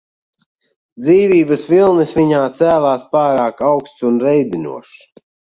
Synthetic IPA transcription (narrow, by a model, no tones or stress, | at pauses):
d̪ziːvʲiːbəsvilˠnɨsvʲiɲaːt̪sæːlˠaːspaːɾaːkawkst̪sunɾɛjbinṵɔʃ